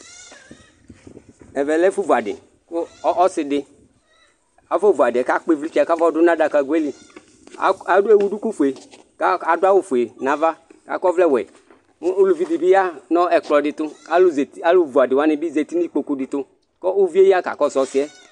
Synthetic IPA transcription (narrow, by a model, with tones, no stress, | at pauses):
ɛ˨vɛ˨lɛ˦fu˦vu˨a˨dɪ̰˨ | kʊ˦ɔ˦sɪ˨dɪ˦ | a˨vɔ˦˨vu˨a˨dɪ˨ɛ˨ka˦k͡pɪ˦vli˦t͡ʃi˦a˨ka˦vɔ˦dʊ˦nã˦da˨ka˨ɡu˦e˦li˨˦ | e˦wu˦du˦ku˦fu˨e˨ | ka˨dʊ˦a˦wʊ˦fu˨e˨nã˨va˦ka̰˨kɔ˦vlɛ˦wɛ̰˨˦ | lu˨vi˨di˨bɪ˦ja˦nɔ˦ɛ˨k͡plɔ˨dɪ˨t̪ʊ˦˨a˦lu˦vu˨a˨dɪ˨wa˦nɪ˨bɪ˦ze˨t̪i˦ni˦k͡po˨ku˨˦dɪ˨t̪ʊ˦ | kɔ˦u˦vi˦e˦i˦a˦ka̰˨kɔ˦˨sɔ˨˦sɪ˦ɛ˦